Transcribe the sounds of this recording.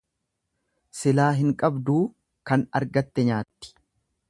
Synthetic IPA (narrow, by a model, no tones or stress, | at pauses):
sɪlaːɦɪŋkʼɐbd̪uː | kɐnɐ̰ɾɡɐt̪ːɛɲaːt̪ːɪ̥